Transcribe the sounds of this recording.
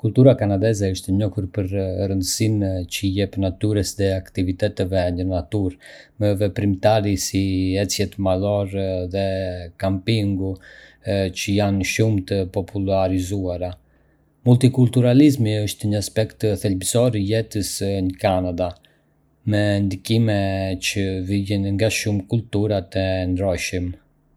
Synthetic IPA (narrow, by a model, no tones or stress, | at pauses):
kult̪uɾakanad̪ɛzɛəʃt̪ɛɲɔhuɾpəɾrənd̪əsimt͡ʃəjɛpnat̪yɾəsðɛakt̪ivit̪ɛt̪ɛvɛɲənat̪uɾ | mɛvɛpɾimt̪aɾisiɛt͡sjɛt̪malɔɾðɛkampiŋɡu | t͡ʃəjanʃumt̪əpɔpʰulaɾizuaɾa | mult̪ikult̪uɾalizmiəʃt̪ɲəaspɛkt̪əθɛlbsɔɾijɛt̪əsnəkanad̪a | mɛnd̪ikimɛt͡ʃəvilinŋɡaʃumkult̪uɾat̪ɛnd̪ɾɔʃim